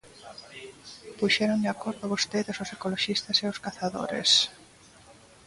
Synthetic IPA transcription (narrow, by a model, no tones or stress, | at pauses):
puʃeɾõnd̪eakoɾðʊoβost̪eðesosekoloʃist̪aseoskaθaðo̰ɾḛs